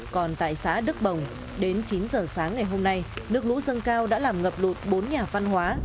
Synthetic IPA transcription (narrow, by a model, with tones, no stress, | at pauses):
kɔ˨˩nt̪a̰ː˧˨jsa̰ː˧˥ɗɨ˦˥k̚ɓə˨˩wŋ͡m | ɗe˨˦nt͡ɕi˨˦nzəː˨˩saː˨˦ŋːa˨˩jɦo˧mna˧jnɨ˦˥ək̚lṵ˧˥zə˧ŋkaː˧wɗa̰ː˧˥laː˨˩mŋə˨˩p̚lu˨˩t̚ɓo˨˦nɲaː˨˩fa˧nhwaː˨˦